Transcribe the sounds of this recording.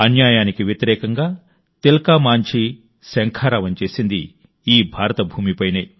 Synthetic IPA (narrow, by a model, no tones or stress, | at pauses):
ɐnjaːjaːnikiʋjɐt̪iɾɛːkɐŋɡaː | t̪elɐkaːmaːɲt͡ʃʰi | sɐŋkʰaːɾaːʋɐnt͡ʃe̞ːsind̪i | iːbʱaːɾɐt̪ɐbʱuːmipɐjneː